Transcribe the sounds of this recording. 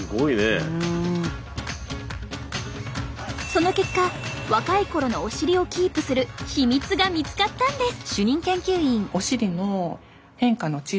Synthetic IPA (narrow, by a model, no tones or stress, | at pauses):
ɡoine | so̞no̞ke̞kːaβakaiko̞ɾo̞no̞ːɕiɾʲio̞kʲiːpɯ̟sɨɾɯ̟çimʲit͡sɨɡamʲit͡sɨ̥kat̪ːãnd̪e̞ɕɨɲ̟ĩŋkẽ̞ŋkʲɨːĩŋoɕiɾʲino̞ | hẽ̞ŋkano̞t͡ɕi